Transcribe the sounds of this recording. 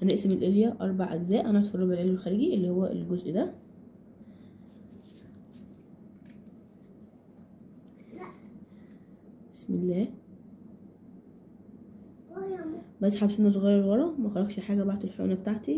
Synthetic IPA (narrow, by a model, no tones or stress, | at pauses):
ʔæneʔsemelʔeljæʔɑ̰ɾˤbaʕʔæɡzæːʔænææʔt̪frˤɑbʕelʔeljælxæɾiːɡiʔelːihowːæʔḛlɡozʔd̪æ | besmḛlːæː | bæʔsħabsenos̬oɣæːɾɑɾelwɑɾˤɑmæxɑlˤɑɡʃeħaːɡæbaʕd̪elħo̰næbet̪aʕt̪i